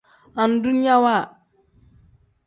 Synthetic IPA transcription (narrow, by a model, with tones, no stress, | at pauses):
a˨n̩˨du˦ni˦ja˦wa˦˨